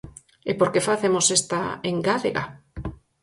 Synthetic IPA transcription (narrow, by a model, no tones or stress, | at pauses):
epoɾkefaθemosest̪a̰eŋɡaðeɣa̰